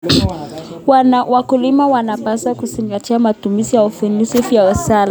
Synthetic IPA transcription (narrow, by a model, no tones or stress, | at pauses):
wwakulimawanapaswakuziŋɡatiamatumizijaufunisifijawasala